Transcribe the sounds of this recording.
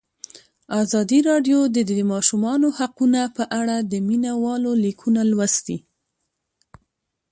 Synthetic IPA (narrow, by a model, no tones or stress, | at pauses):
ɑzɑd̪iɾɑɖjod̪əd̪mɑʃumɑnohaqunapəʔaɽad̪əminawɑlolikʰunalwasd̪i